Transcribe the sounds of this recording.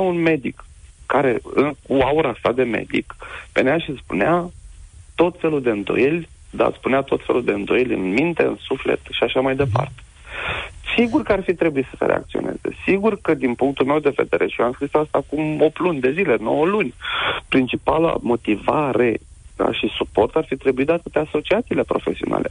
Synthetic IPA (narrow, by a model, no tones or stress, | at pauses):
aunme̞d̪ikːaɾe̞ɨkuauɾasad̪e̞me̞̰d̪ḭkpḛneaʃispunea | t̪o̞t̪fe̞luld̪e̞ɨnd̪o̞̰jelʲ | d̪a̰spunat̪o̞t̪fe̞luld̪e̞ɨnd̪o̞jelʲɨ̰nmint̪e̞ɨ̰nsufle̞̰t̪ʃiaʃamajd̪e̞pa̰rt̪e̥ | siɡurkəarfit̪ɾe̞buit̪sə̥seɾḛa̰k̚t̪sione̞̰z̥e̞̰siɡurkəd̪inpuŋk̚t̪ulme̞wd̪e̞ve̞d̪e̞ɾʔeʃiansist̪aast̪aːkumo̞plunʲd̪e̞zile̞no̞̰wəlunʲpɾint͡ʃipala̰mo̞t̪ivaɾe̞a̰ʃisupo̞rt̪arfit̪ɾe̞buitd̪at̪ət̪easo̞t͡ʃiat̪siːle̞pɾo̞fe̞siona̰le̞